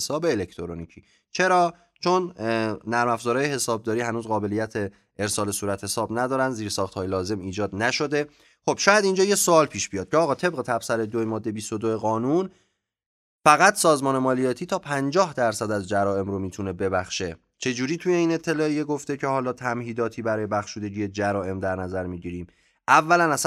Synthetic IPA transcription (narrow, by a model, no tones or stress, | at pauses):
sɒːbeːlekʰt̪ʰoɾonicʰiː | t͡ʃʰe̞ɾɒː | t͡ʃʰonː | æɾmæfzɒːɾɒːjehe̞sɒːb̚d̪ɒːɾiːɦænuːzɢɒːbe̞lijæt̪ʰe | eɾsɒːle̞suːɾæt̪he̞sɒːbnæd̪ɒːɾænziːɾsɒːxt̪hɒːjelɒːze̞miːd͡ʒɒːd̪næʃo̞d̪e̞ | χo̞b̥ʃɒːjæd̪ind͡ʒɒːjesoɒːlpʰiːʃb̥ijɒːd̪̚cʰeɒːɣɒːt̪ʰe̞b̚ɣe̞t̪ʰæb̥sæɾed̪ojemɒːd̪ːe̞bist̪o̞d̪oe̞ɣɒːnun | fæɣæt̪ʰsɒːzmɒːne̞mɒːlijɒːt̪ʰiːt̪ʰɒːpʰænd͡ʒɒːhd̪æɾsæd̪æzd͡ʒæɾɒːe̞mɾomiːt̪ʰune̞be̞bæxʃe̞ | t͡ʃʰe̞d͡ʒuːɾiːt̪ʰuje̞iːne̞t̪ʰːe̞lɒːejeɡoft̪e̞cʰe̞hɒːlɒːt̪ʰæmɦiːd̪ɒːt̪ʰiːbæɾɒːje̞bæxʃuːd̪e̞ɟiːjed͡ʒæɾɒːe̞md̪æɾnæzæɾmiːɟiɾiːm | ʔævːælænæs